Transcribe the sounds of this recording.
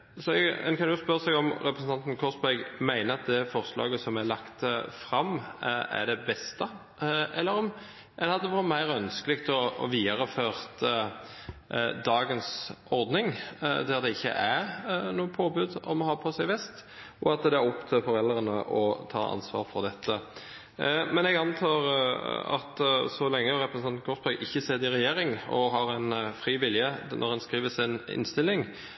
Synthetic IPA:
sɔɛɡɛ̰nkʰɑnjʊspœɾəsɛɡɔmɾɛpɾəsn̩t̪ɑnt̪n̩kʰɔsbæɡmæɪnəɑt̪̚d̪ɛfɔʁslɑ̰ːɡəsɔmælɑkt̪əfɾɑmæ̰d̪ɛbɛst̪ə | ɛlːəɾɔm | ɛɑt̪d̪ɛʋɔɾt̪mæɪɾœnskəlɪkt̪ɔɔ̰ʋiːəɾəføːʁt̪ʰə | d̪ɑːɡənsɔɾd̪nɪŋd̪æd̪ɛɪçːə̰ʔænuːəpʰoːbʉd̪ɔmɔhɑːpʰɔsæɪʋɛst̪ | ɔɑt̪d̪ɛæɾɔpt̪ʰøfɔɾɛlːəɾənəʔɔt̪ʰɑ̰ːʔɑ̰nsʋɑ̰ːɾfɔɾd̪ɛt̪ʰːə | mɛnɛɡɑnt̪ʰɑːɾɑ̰t̪sɔlɛŋːəɾɛpɾsnɑnɡɔspʰɑɡʔɪçːəseːd̪ɪɾɛjeːɾɪŋɔ̰ɦɑɾæɪnfɾiːʋɪljənʔɔ̰ʁhɛnskɾiːʋəsɪnɪ̰nst̪ɪlːɪŋ

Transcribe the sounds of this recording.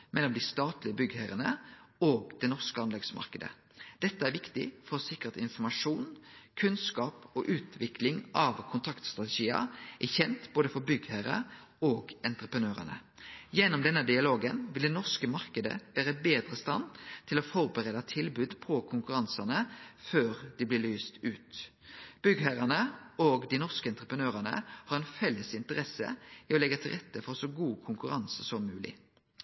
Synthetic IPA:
mɛlːɔmd̪ɪst̪ɑːt̪lɪəbʏɡhæɾənəoːɡ̚d̪̥ɛnɔʁskəɑnlɛɡsmɑ̰ʁkəd̪ə̰ | d̪̥ɛt̪ːəæɾʋɪkt̪ɪ̰fɔɾsɪkːəʁt̪ɪnfɔmɑʂuːnkʰʉnskɑːpɔʔʉːt̪ʰʋɪkʰlɪŋʔɑʋkʰʊnt̪ʰɑkt̪st̪ʁɑt̪ɛʃiːə̰ʔæçɛnt̪b̥oːd̪əfɔɾbʏɡhæɾə̰ | oːɡɛnt̪ʁəpʁənøːɾə̰nə̰ | jɛnːɔmd̪ɛnːəd̪ɪɑloːɡənʋɪld̪ɛːnɔʁskəmɑʁkəd̪ə̰ʋæːɾəbeːd̪ʁəst̪ɑ̰nt̪ʰɪlɔfɔɾbəʁeːd̪ɑt̪ʰɪlbʉːd̪pʰɔkʰʊŋkʉɾɑnsɑnəføːʁd̪̥ɪblɪlyːst̪ʉːt̪ | b̥ʏɡhæɾənəoːɡd̪ɪnɔʁskəɛnt̪ʁəpənøːʁɑnə̰hɑɾɛnfɛlːəsɪnt̪əʁɛsə̰iɔlɛɡət̪ʰɪlʁɛt̪ʰːəfɔʁsɔɡuːkʰʊŋkʉɾɑnsəsɔmːʉːlɪ̰

